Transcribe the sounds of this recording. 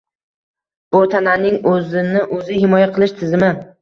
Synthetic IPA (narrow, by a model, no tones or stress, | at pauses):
b̥ʊt̪ʰananɪŋɵzɪnɪʔɵzɪhɪmɒjaqʰɨlˠɪʃt̪ʰɪzɪmɪ